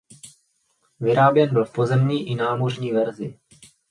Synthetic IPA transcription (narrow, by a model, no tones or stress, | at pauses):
vɪɾaːbjɛnbɪlfpo̞zɛmɲiːʔɪnaːmo̞rɲiːvɛɾzɪ̰